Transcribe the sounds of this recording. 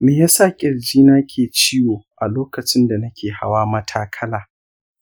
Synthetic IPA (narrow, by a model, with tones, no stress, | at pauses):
meː˨jaː˦sa˦˨kʲʼɪ˨ɾd͡ʒiː˦naː˦kʲʰeː˨t͡ʃiː˦woː˨ʔa˨loː˦kɐ˨t͡ʃɪ˦nda˨nɐ˦kʲʰeː˨ha̰˦waː˦mɐ˦tʰaː˦kʰɐ˦laː˨